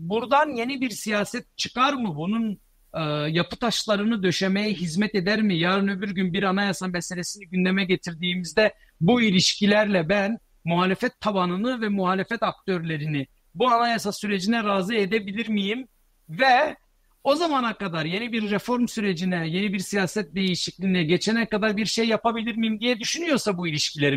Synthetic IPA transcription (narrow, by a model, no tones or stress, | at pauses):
buɾd̪anje̞nibiɾsijaːsɛt̪̚t͡ʃʰɯ̥kaɾmɯbunun | ɯjapɯ̥t̪ʰaʃlˠaɾɯnɯd̪ø̞ʃe̞mejɛɦizmɛt̪e̞d̪æɾmijaːɾɯnø̞byɾɟynbiɾanajasamɛse̞lʲe̞siniɟynd̪emɛɟe̞t̪ʰiɾd̪iːmizd̪ɛ | builʲiʃcilʲæɾlʲɛbæn | muɦaːlʲe̞fɛt̪ʰːabanɯnɯvɛmuɦaːlʲe̞fɛt̪ak̚t̪ʰøɾlʲe̞ɾinɪ | buanajasasyɾe̞d͡ʒinɛɾaːzɯed̪ebilʲiɾmijim | vɛ | o̞zamanakad̪aɾje̞nibiɾːefo̞ɾmsyɾe̞d͡ʒinɛje̞nibiɾsijaːsɛt̪̚d̪e̞jiʃiclʲiːnɛɟe̞t͡ʃʰɛnɛckʰːad̪aɾbiɾʃejːapabilʲiɾmijimd̪ijɛd̪yʃynyjo̞ɾsabuilʲiʃcʰilʲeɾi